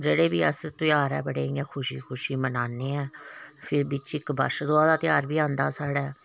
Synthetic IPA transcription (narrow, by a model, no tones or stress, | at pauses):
d͡ʒeːɽeːbiːəst̪ɪjaːɾɛ̰ːbəɽeːɡɛːkʰʊʃiːkʰʊʃiːmənaːneːɛːpʰɪɾbɪt͡ʃɪkbə̰ʃd̪oaːd̪aːt̪ɪjaːɾbiːãːnd̪aːsaːɽɛː